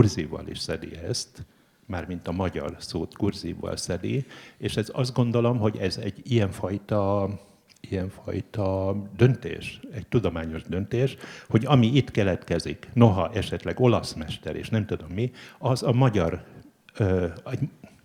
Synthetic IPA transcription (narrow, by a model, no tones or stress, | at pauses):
urzivɒ̰lḭʃsɛd̪ḭɛst̪ | maːrmint̪ɒmɒɟɒ̰rsoːt̪ɡurzivːɒ̰lsɛd̪ieːʃɛzɒzd̪ɡo̞nd̪o̞lo̞mɦo̞ɟɛzɛɟːijɛɱfɒjt̪ɒ | ijɛɱfɒ̰jt̪ɒd̪ø̞nt̪ḛːʃɛct̪ud̪o̞maːɲo̞ʒd̪ø̞nt̪eːʃho̞ɟɒmiit̪kɛlɛt̪kɛzikno̞ɦɒʔɛʃɛt̪lɛɡo̞lɒsmɛʃt̪ɛ̰ɾḛːʃnɛmt̪ud̪o̞mːiɒzɒmɒɟɒr | ɛɟ